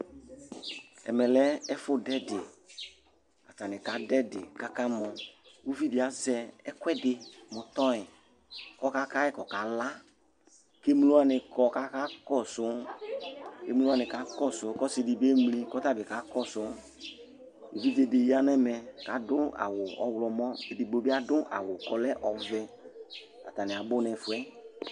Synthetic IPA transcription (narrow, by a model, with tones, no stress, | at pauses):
ɛ̰˨mɛ˨lɛ˦ɛ˦fʊ˦dɛ˦dɪ˨ | a̰˨ta˨nɪ˨ka˨˦dɛ˦dɪ̰˨ka˦ka˦mɔ̃˨u˦vi˦dɪ˨a˨˦zɛ˧ɛ˦kʷɛ˦dɪ˨mʊ˨t̪ɔ˦ɪ˨ | kɔ˦ka˦ka˦ɛ˦kɔ˨ka˨˦la˦ | ke˦m˦lu˦a˦nɪ˧kɔ˨ka˨˦ka˦kɔ˦˨sʊ˨˦ | ke˦m˦lu˦a˦˨nɪ̃˨ka˨˦kɔ˦˨sʊ˨˦kɔ˦sɪ˧dɪ˨be˦m˦li˧kɔ˦ta˦bɪ˨ka˨˦kɔ˦sʊ˨˦ | e˨vi˦ve˧de˨ji˦a˦n˦ɛ˦mɛ˨ka˨˦dʊ˦a̰˨wʊ˨ɔ̰˨wlɔ˨mɔ̃˦e˨dɪ˨bo˨˦bɪ˦a˦dʊ˦ʔa̰˨wʊ˨kɔ˨lɛ˦ʔɔ˨vɛ˧ | a˨ta˨nɪ˨a˨bʊ˦nɛ˨fʊ˨ɛ˦